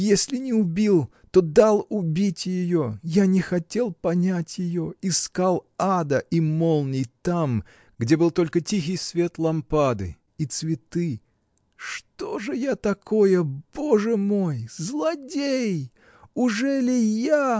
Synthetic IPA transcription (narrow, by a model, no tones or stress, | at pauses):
jesʲlʲɪnʲɪʊbʲilˠ | t̪od̪alˠʊbʲitʲjɪjojanʲɪxɐtʲe̞lˠpɐnʲætʲjɪjoɪskalˠad̪əʔimolˠnʲɪjt̪am | ɡdʲe̞bɨlˠt̪o̞lʲkətʲix̬ʲɪjsvʲe̞t̪lˠɐmpad̪ɨ̰ | it̪svʲɪt̪ɨ | ʂt̪oʐɨjat̪ɐkʰo̞jəb̥o̞ʐɨmojzlˠɐdʲej | ʊʐɛlʲɪja